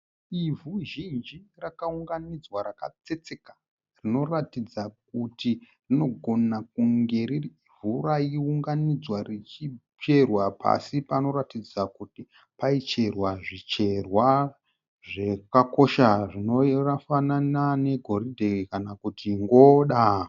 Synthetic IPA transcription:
ivuʒind͡ʒirakauŋɡanid͡zwaɾaka̰t͡se̞t͡se̞kḁ | rino̞ratid͡zak̚uti | rino̞ɡʱo̞nak̚uŋɡe̞ri | vuraiuŋɡanid͡zwarit͡ʃi | pe̞rwapʰa̰sipano̞ɾatid͡zakuti | pait͡ʃe̞rwaʐit͡ʃe̞rwa | ʐe̞kako̞ʃaʐino̞rafananane̞ɡʱo̞ridʱeekanakutiŋɡo̞ɗa

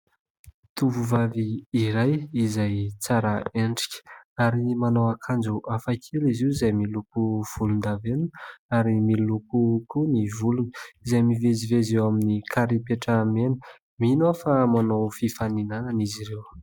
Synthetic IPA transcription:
t̪uvuvaviːɾajizajt͡saɾəeɳɖ͡ʐi̥kʲə̥aɾimanowakʰand͡ʒuʔafakʰeliziwizajmilukuv̥ulund̪avenuaɾimilukukunivulunə̥izajmivezivezewaminikʰaɾipeʈ͡ʂamenə̥ | minofamanowfifaninananiziɾew

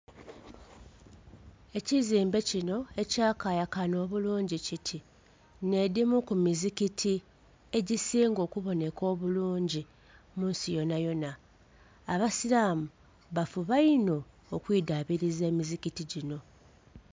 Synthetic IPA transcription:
e̞ciziːmbe̞cino̞e̞caːkaːjakano̞ːβuluːɲɟicitʰi | ne̞dimukumizikitʰi | e̞ɟisiːŋɡo̞ːkuβo̞ne̞ko̞ːβuluːɲɟi | muːnsijo̞najo̞naː | βasiɾaːmu | βafuβaino̞ː | kwiːdaβiɾize̞ːmizikitiɟino̞

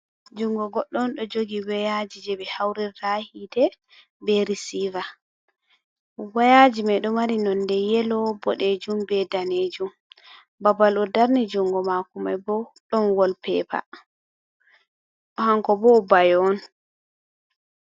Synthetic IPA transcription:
d͡ʒuŋɡɔɡɔɗːɔnɗɔd͡ʒoɡiwɛjad͡ʒid͡ʒɛbɛhawɾɛːahidɛ | bɛɾisiva | wajad͡ʒimajɗɔmaɾinɔndɛjɛlɔbɔɗed͡ʒumbɛdaned͡ʒum | babalɔdaɾnid͡ʒuŋɡɔmakumajbɔɗɔnwɔlpɛpa̰ | ɔhaŋkɔbɔbajɔn

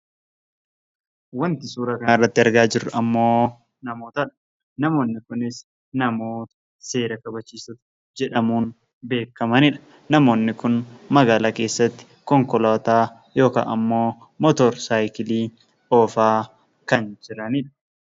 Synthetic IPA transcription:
wɐnt̪ɪsuːɾɐkɐɪrːɐt̪ːɪɐɾɡaːd͡ʒɪrːʊɐmːo̞ː | nɐmoːt̪ɐᶑɐ̥ | nɐmo̞ːnːɪkʊnɪs | nɐmo̞ːt̪ɐ̥ | se̞ːɾɐkɐbɐt͡ʃːiːsɐt̪ɐ̥ | d͡ʒɛᶑɐmuːn | be̞ːkːɐmɐnɪᶑɐ̥ | nɐmo̞ːnːɪkʊnmɐɡaːlake̞ːsːɐt̪ːɪ̥kɔŋkɔlaːt̪aː | jo̞ːka̰ːʔɐmːo̞ː | mɔt̪ɔɾsaːjkɪliː | oːfaː | kɐnd͡ʒɪɾɐnɪᶑɐ̥

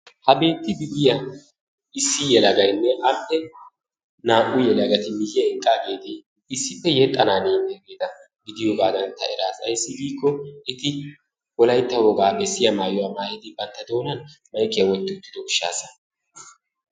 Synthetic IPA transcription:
hɐbe̞ːt̪ːɪɡɪd̪ɪjɐ | ɪsːɪjɛlɐɡɐjnːɛʔɐmpːɛ | naːʔʊjɛlɐɡɐt̪ɪmɪjːɛɪŋkʼːaːɡe̞ːt̪ɪ | ɪsːɪpːɛjɛt̪ʼːɐnaːneːnːɛɡeːt̪ɐ | ɡɪd̪ɪjoːɡaːd̪ɐnt̪ːɐ̰ɛɾaːsɐjsːɪɡiːkːɔɪt̪ɪ | wɔlɐjt̪ːɐwɔɡaːbɛsːɪjɐmaːjɔwaːmaːjɛd̪ɪbɐnt̪ːɐd̪o̞ːnɐnmɐjkʼːɪjɐwɔt̪ːɪt̪ːɪd̪ɔʊʃːa̰ːsɐ̥

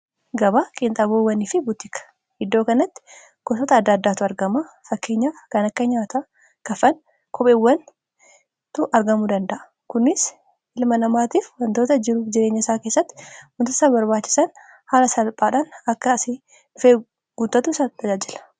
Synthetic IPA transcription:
ɡɐbaːkʼɪnt̪ʼɐboːwːɐnifɪbʊt̪ːɪkɐ̥ | hɪd̪ːo̞ːkɐnɐt̪ːɪ̥ | ɡ̥ɔsɔt̪ɐːd̪ːɐːd̪ːaːt̪ʊɐɾɡɐma | fɐkːe̞ːɲːaːfkɐnɐkːɐɲaːt̪a | kɐfɐn | kʰɔpʼeːwːɐn | t̪ʊʔɐɾɡɐmʊd̪ɐnd̪ɐʔɐ̥ | kʊnːɪs | ʔɪlmɐnɐmaːt̪iːfwɐnt̪oːt̪ɐd͡ʒɪɾuːfd͡ʒɪɾe̞ːɲːɐɪsaːke̞ːsːɐt̪ːɪ̥mʊnt̪ɔsɐbɐɾbaːt͡ʃːɪ̥sɐn | haːlɐsɐlpʼaːᶑaːnɐkːɐsi | ʊfeː | ɡʊt̪ːɐt̪usɐd̪ɐd͡ʒaːd͡ʒɪlɐ̥

